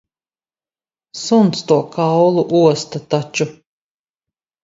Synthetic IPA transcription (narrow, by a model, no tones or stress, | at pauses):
sunst̪uɔkawlˠuʔuɔst̪at̪at͡ʃu